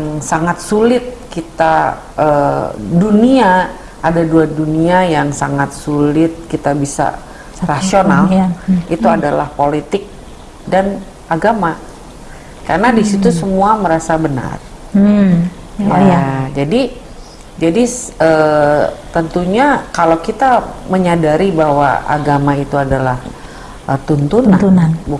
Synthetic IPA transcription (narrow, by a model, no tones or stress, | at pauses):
jaŋsaŋat̪̚sulɪt̪̚kit̪a | ʔədunia | ʔadaduaduniajaŋsa̰ŋat̪̚sulɪt̪̚kit̪abisa̰ | rasionalit̪uadalahpolit̪ɪk̚ | dan | ʔaɡama | karənadisit̪usəmuaməɾasabəna̰r | ad͡ʒadi | d͡ʒadiə | t̪ənt̪uɲakalawkit̪aməɲadaɾibaɦwa̰a̰ɡamait̪uadalah | ət̪unt̪ununabu